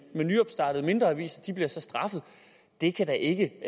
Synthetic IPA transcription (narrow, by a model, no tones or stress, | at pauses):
menːyɒ̽b̥sd̥ɑ̈ːd̥əð̩ˠme̝nd̥ʁɐʋḭːsæd̥ib̥liɐsɒ̽sd̥ʁɑ̈fð̞̩ˠ | d̥e̝kʰæd̥ɑʔe̝ɡ̥ə